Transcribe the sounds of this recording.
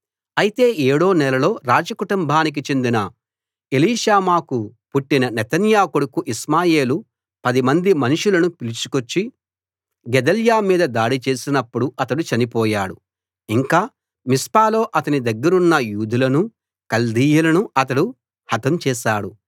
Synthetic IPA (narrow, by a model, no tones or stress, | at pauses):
ɐjit̪e̞ːʔeːɽoːnɛlɐlo̞ːɾaːd͡ʒɐkuʈumbʱaːnik̬it͡ʃe̞nd̪inɐ | eliːʃaːmaːkupuʈːinɐnɛt̪ɐnjaːkoɽukuʔismaːje̞ːlu | pɐd̪imɐnd̪imɐnuʂulɐnupilit͡ʃu̥kot͡ʃːi | ɡɛd̪ɐljaːmiːd̪ɐd̪aːɽit͡ʃe̞ːsinɐpːuɽuɐt̪ɐɽut͡ʃɐnipɔːjaːɽu | iŋkaː | mispaːlo̞ːʔɐt̪ɐnid̪ɐɡːɐɾunːɐjuːd̪ulɐnu | kɐld̪iːjɐlɐnuɐt̪̬ɐɽu | hɐt̪ɐmt͡ʃɛːʃaːɽu